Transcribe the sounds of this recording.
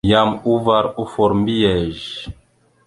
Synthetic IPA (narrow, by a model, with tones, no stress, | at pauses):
ja˨mu˦va˨ɾu˦fɔ˨ɾmbi˦jɛ˨ʒ